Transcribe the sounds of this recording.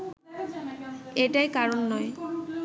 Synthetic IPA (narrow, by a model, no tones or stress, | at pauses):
ejtajkaɹɔnːɔj